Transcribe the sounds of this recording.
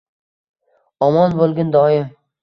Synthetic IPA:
ɒmɒnbolˠɡʲand̪ɒɪm

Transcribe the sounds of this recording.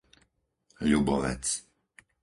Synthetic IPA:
ʎubɔʋɛ̰t͡s

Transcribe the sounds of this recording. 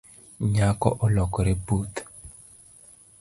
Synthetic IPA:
ɲakɔ̰ʔɔlɔkɔɾebut̪

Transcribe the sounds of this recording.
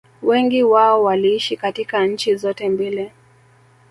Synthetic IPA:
wɛŋɡiwaɔwaliiʃikatikaɲ̩t͡ʃizɔtɛmbilɛ

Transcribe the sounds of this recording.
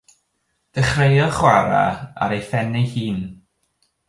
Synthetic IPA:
d̥əχrejɔχwaɾa̰a̰ɾejfɛnɪhiːn

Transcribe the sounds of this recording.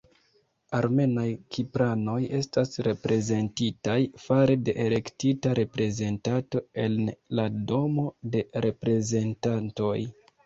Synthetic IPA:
aɾme̞najkʰipɾano̞je̞stasɾe̞pɾe̞ze̞ntitajfaɾe̞de̞ʔele̞ktitaɾe̞pɾe̞ze̞ntato̞e̞nlado̞mo̞de̞ɾe̞pɾe̞ze̞ntanto̞j

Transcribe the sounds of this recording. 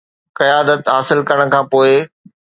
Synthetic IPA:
kɐjaːd̪ət̪ɦaːsɪlkɐɾəɽ̃̆kʰãːpoːɪ

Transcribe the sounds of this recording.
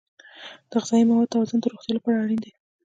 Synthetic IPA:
d̪̥əɣɪzɑjimawɑd̪̚t̪awɑzʊnd̪əɾoxt̪jɑlapɑɾaaɽind̪i

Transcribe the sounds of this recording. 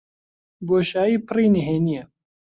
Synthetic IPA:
boːʃaːjiːpɨriːniɦeːnijɛ

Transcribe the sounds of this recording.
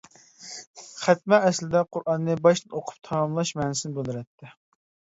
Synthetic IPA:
χæt̪̚mɛːslɪd̪ɛqʰʊɾʔɑnːɨbɑʃoqʰʊ̥p̚t̪ʰɑmɑmlˠɑʃmɛːnɪsɪnɪbɨlˠɨɾɛt̪ʰːɪ

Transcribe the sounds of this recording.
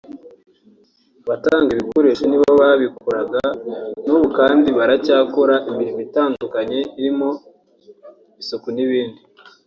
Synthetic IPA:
βataːŋɡiβikoɾeʃeniβaβoβaβikʰuɾaɡanuːβukaːndiβaɾacaːkoɾaʔimbiɾimitaːndukaɲe̞iɾimo̞ | isokuniβiːndi

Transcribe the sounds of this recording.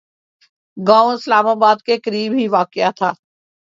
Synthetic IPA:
ɡãːõɪslaːmaːbaːd̪kekəɾiːbɦiʋaːkɪjat̪ʰaː

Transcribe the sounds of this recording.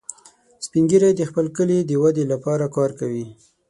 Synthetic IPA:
spiŋɡiɾajd̪əxpəlkəlid̪əwad̪elapɑɾakɑɾkawi

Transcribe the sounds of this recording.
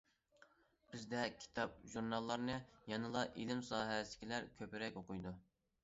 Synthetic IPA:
pɪzd̪ɛkʲʰi̥t̪ʰɑp̚ʒuɾnɑlˠːɑɾnɨjɑnɨlˠɑʔilɪmsɑːɦɛsɪ̥kʲʰilæɾkʲʰøpɪɾɛkʲoqujd̪u

